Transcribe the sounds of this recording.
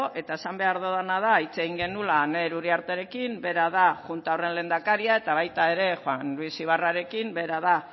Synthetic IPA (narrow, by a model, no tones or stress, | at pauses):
oʔe̞t̪ae̞sambe̞aɾðoðanað̞ait͡se̞ɣiŋɡe̞nulaːne̞ɾuɾiaɾt̪e̞ɾe̞kimbe̞ɾað̞aʝunt̪aore̞nle̞ːnd̪akaɾiae̞t̪aβ̞ajt̪ae̞ɾe̞xoanlwisiβ̞araɾe̞kimbe̞ɾaða